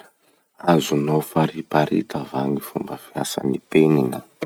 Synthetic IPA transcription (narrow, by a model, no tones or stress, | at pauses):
azunofaɾipaɾḭt̪avaŋifumbəfiasa̰nipeninə